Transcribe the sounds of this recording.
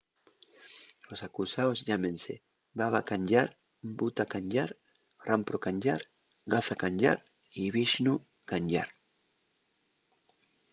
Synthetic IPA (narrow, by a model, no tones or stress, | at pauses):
osakusaozʎamẽnse | baβakaɲɟaɾ | but̪akaɲɟaɾ | rʔampɾokaɲɟaɾ | ɣaθakaɲɟa̰ɾ | iβiʃnu | kaɲɟa̰ɾ